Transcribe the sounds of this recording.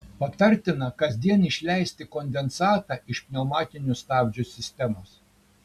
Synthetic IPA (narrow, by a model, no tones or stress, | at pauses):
pɐt̪ɐɾʲt̪ʲɪnɐkɐzʲd̪ʲiɛnɪʃʲlʲɛɪsʲt̪ʲɪkɔnʲd̪ʲɛnsɑːt̪ɑːɪʃpʲnʲomɑːt̪ʲɪnʲʊst̪ɑːbʲd͡ʒʲusʲɪsʲt̪ʲɛmoːs